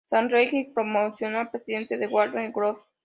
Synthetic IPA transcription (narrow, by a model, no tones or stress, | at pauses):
sãnɾejkipɾomosjonapɾesiðẽnt̪eðewad̪ãnɡɾof